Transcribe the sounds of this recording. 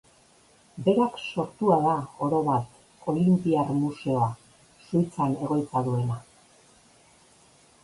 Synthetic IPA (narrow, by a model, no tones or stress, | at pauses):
be̞ɾakso̞ɾt̪uaðao̞ɾo̞βat̪ | o̞limpiarmuse̞o̞a | sujt͡sane̞ɣo̞jt͡saðue̞na